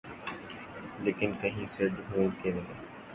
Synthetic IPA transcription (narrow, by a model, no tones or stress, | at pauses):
leːkɪnkəɦĩːseɖɦõːlkenɐɦĩː